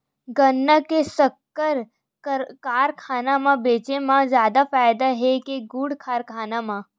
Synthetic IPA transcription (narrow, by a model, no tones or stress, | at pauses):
ɡɐnːəkesɐkːəɾ | kaːɾkʰaːnamãbeːt͡ʃemãzjaːd̪afaːjd̪aɦɛkeɡuːɽkʰaːɾkʰaːnamã